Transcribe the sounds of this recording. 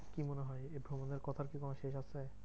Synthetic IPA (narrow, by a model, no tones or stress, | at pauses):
kimoneɦɔeebʱɾomoneɾkɔt̪ʰaɾkikonoʃeʃasʰe